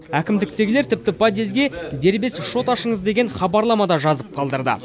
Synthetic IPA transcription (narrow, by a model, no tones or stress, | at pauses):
ækʲɪmd̪ɪk̚t̪e̞ɡʲɪle̞ɾt̪ʰɪp̚t̪ɪpɑd̪ezɡʲe̞d̪e̞ɾbe̞sʃo̞t̪ɑʃəɴəzd̪e̞ɡʲe̞ɴχɑbɑɾlˠɑmɑd̪ɑʒɑzəp̚qʰɑlˠd̪əɾd̪ə̰